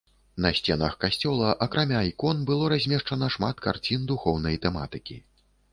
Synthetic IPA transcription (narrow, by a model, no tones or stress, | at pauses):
nɐsʲt͡sʲɛnɐxkasʲt͡sʲɔlˠɐʔɐkɾamʲaikɔnbɨlˠɔɾazʲmʲɛʂt͡ʂɐnɐʂmat̪ka̰rt͡sʲind̪uxɔwnɐjt̪ɛma̰t̪ɨkʲḭ